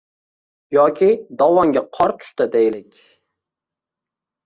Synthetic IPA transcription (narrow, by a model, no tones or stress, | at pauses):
jɒkʲʰɪd̪ɒwɒŋɡʲaqʰɒɾt̪ʰʊ̥ʃt̪ɪd̪ejlɪkʲ